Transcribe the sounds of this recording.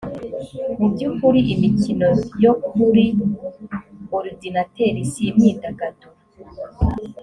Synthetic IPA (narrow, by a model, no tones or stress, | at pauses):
mubɟukuɾiʔimicinojokuɾi | oɾidinateɾisimɲidaɡato